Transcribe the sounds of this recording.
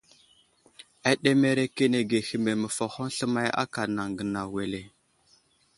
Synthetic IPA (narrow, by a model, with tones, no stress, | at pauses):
a˦ɗe˦me˦ɾe˦ke˦ne˨ɡe˨xi˨me˨mə˨fa˨ho˦n˦ɬə˦ma˦ja̰˦ka˨na˨ŋɡə˨na˨we˨le˨